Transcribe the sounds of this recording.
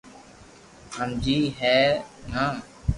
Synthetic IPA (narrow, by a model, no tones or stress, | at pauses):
həmd͡ʒiːɦɛːnaː